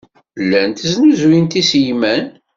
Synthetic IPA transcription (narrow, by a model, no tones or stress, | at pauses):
lːænt̪znuzwint̪isjmæn